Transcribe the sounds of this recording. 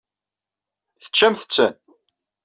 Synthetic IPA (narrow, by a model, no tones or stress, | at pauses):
θə̥t͡ʃːæmθə̥t͡sːən